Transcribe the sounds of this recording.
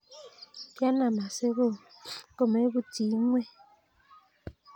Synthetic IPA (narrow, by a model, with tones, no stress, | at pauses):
pja˦na˨ma˨se˦ɣo˦˨ko˦˨me˨˦bu˦ti˨˦ŋwɛ˦˨